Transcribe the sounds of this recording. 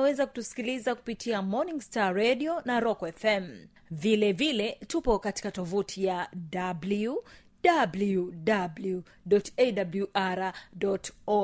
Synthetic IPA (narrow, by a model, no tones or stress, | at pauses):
wɛzaku̥tusi̥kilizaku̥pitʰiamɔnĩŋɡstaɾɛɗiɔnaɾɔkɔɛfɛm | vilɛvilɛtupɔkati̥katɔvutʰijadabliu | dabludablu | dɔtedabluʔaɾadɔtɔ